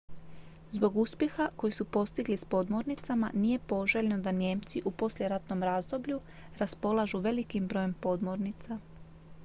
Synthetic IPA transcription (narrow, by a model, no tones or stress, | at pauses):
zbo̞ɡuspjexako̞jisupo̞st̪iɡlispo̞d̪mo̞ɾnit̪sama̰nije̞po̞ʒeʎnod̪anje̞ːmt̪siʔupo̞slʲjʲeɾat̪no̞mɾaːzd̪o̞bʎu | ɾaspo̞lˠaʒuʋe̞likimbɾo̞ːje̞mpo̞d̪moɾnit̪sa